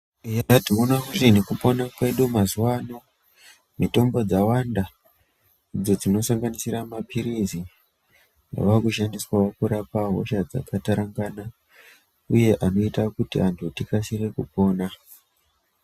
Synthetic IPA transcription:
jaationaɦurinekupo̞nakwe̞ɗumazuwano̞ | mito̞mbo̞d͡zawanda | d͡zod͡zino̞saŋɡanisiramapʰiɾizi | a̰ʋakuʃandiswawakuɾapaɦo̰ʃad͡za̰kataɾaŋɡana | uje̞ʔano̞itakutiantʰutikasirekupo̞ːna

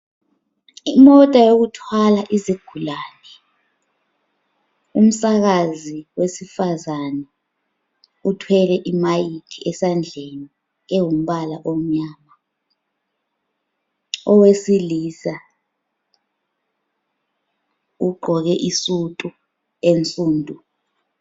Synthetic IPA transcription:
imɔtʼajoɣutʰwalaʔiziɡ̥ʱulaːnɛ | um̩saɣaziwesifazanɛ | utʰwɛlɛʔimajitʰiʔɛsand͡ɮʱeni | ewum̩ɓalaʔɔm̩ɲaːma | ɔwesiliːsa | uɡ͡ǃʱɔɣɛʔisutʼu | ent͡sʼuːndʱʼu

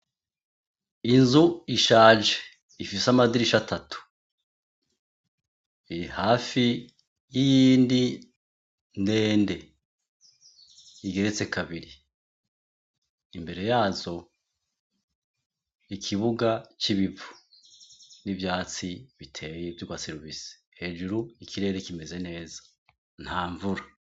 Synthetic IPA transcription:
inzuiʃaːʒe | ifisamadiɾiʃatʰatʰu̥ | iɾihaːfi | jijiːndi | nde̞ːnde̞ | iɡe̞ɾe̞t͡se̞kʰaβiɾi | mbe̞ɾe̞jaːzo̞ | ikʰiβuɡat͡ʃiβivu | nivjaːt͡siβitʰe̞ːjevjukwaseɾiβisi̥ | he̞ːʒuɾuikʰiɾe̞ːɾe̞kime̞ze̞ne̞ːzḁ | n̥haːɱvuɾa

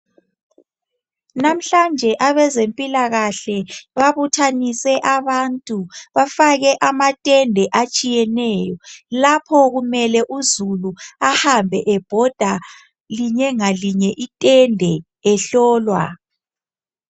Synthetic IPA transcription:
nam̩ɬand͡ʒʱɛʔaβɛzempʼilaɣaɬɛβaβutʰanisɛʔaβantʼuβafaɣɛʔamatʼɛndʱɛʔat͡ʃʼijɛnɛːjɔlapʰɔɣumɛlɛʔuzuluahambʱɛʔɛb̥ʱɔd̥ʱa | liɲɛŋaliɲɛʔitʼɛndʱɛ | ɛɬɔːlwa̰

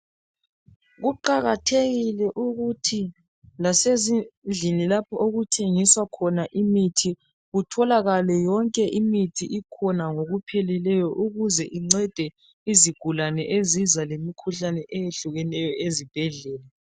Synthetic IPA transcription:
ɣuǃaɣatʰeɣilɛʔuɣutʰi | lasezind͡ɮʱinilapʰɔʔoɣutʰeŋiswakʰɔnaʔimitʰi | ɣutʰɔlaɣalɛjɔŋkʼɛʔimitʰiʔikʰɔnaŋoɣupʰɛlɛlɛjɔʔuɣuzɛʔiŋ͡ǀɛd̥ʱɛ | iziɡ̥ʱulanɛʔezizalemikʰuɬanɛʔɛjeɬuɣɛnɛjɔʔezib̥ʱɛɮɛːlɛ

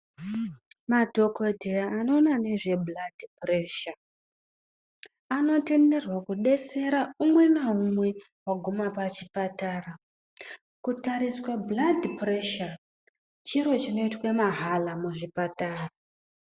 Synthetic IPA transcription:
madʱo̞kodʱejaːno̞ːnane̞ʐe̞bladʱipre̞ːʃa | ano̞tende̞rwakuɗe̞se̞ɾaumwe̞naumwe̞ | waɡʱumapat͡ʃipataːra | kutaɾiswabladʱpre̞ʃa | t͡ʃiɾo̞t͡ʃino̞itwemaɦalamuʐipataːra

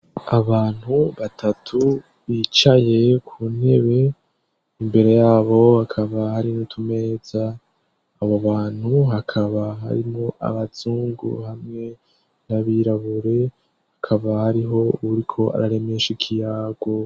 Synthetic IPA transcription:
aβaːn̥huβatʰatʰu | βit͡ʃaje̞kʰuːn̥e̞βe̞ | imbe̞ɾe̞jaːβo̞akʰaβahaɾinutʰume̞ːzaː | βoβaːn̥huɦakʰaβaɦa̰ɾimŋo̞ʔa̰βazuːŋɡṵhamŋe̞ | naβiɾaβuɾe̞ | hakʰaβahaɾiɦo̞uuɾikʰo̞a̰ɾaɾe̞meʃikʰijaːɡwo

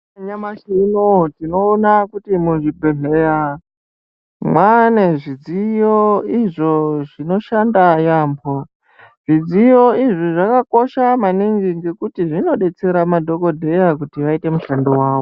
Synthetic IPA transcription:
aɲamaʃinotino̞ːnakutimuʐibʱeɦeja | mwane̞ʐid͡zijoiʐo̞ʐino̞ʃandajaːmbʰʱo | ʐ̥id͡zijo̞iʐiʐakako̞ʃamaniŋɡiŋɡe̞kutiʐino̞ɗe̞t͡se̞ɾamadʱo̞ko̞dʱe̞jakutiʋaite̞muɬandowaːʋo

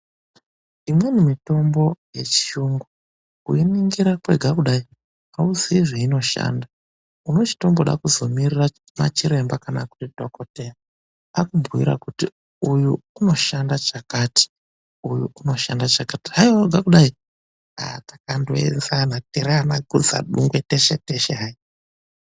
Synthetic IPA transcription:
imwe̞numito̞mbo̞je̞̰t͡ʃi̥ʃuŋɡu | ṵiniŋɡiɾakweɡʱakuɗai | auzeiʐeino̞ʃa̰nda | uno̞t͡ʃi̥to̞mboɗa̰kuzo̞mirira | ma̰t͡ʃiɾe̞mbakanakuridʱokotena | akumbuwḭɾa̰kuti | ujuːno̞ʃandat͡ʃakaːti̥ | ujuuno̞ʃandat͡ʃakatiɦaiwaɡʱakuɗai | a̰tḁkando̰ḛnzanateɾeanaɡʱṵd͡za̰ɗuŋɡweteʃeteʃeɦai

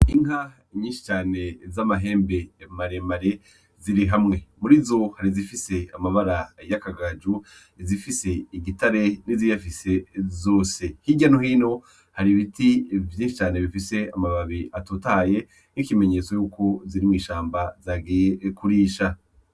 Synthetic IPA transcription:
iŋɦa | iɲĩːʃi̥t͡ʃaːne̞zamaɦe̞ːmbe̞maɾe̞maɾe | ziɾiɦamŋe̞muɾizo̞haɾizifise̞amaβaɾajakaɡad͡ʒu | izifise̞iɡitaɾe̞nizijafise̞zo̞ːse̞hiɟanohino̞ | haɾiβitivjiːʃit͡ʃaːne̞βifise̞amaβaβiʔatotaːje̞ | nikime̞ɲe̞t͡so̞juːko̞ziɾimŋiːʃaːmbazaːɡijekuɾiːʃa

